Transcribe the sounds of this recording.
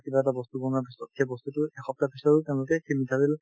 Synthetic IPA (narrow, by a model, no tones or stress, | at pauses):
kibaɛtabɔst̪uɡɔnapisɔtxejbɔst̪utʊɛxɔp̚tapisɔɹʊtɛʊ̃lʊkɛkʰimitʰabil